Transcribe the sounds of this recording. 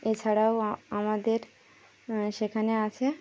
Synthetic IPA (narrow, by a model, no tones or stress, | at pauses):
et͡ɕʰaɽawamad̪eɾ | ʃekʰaneat͡ɕʰe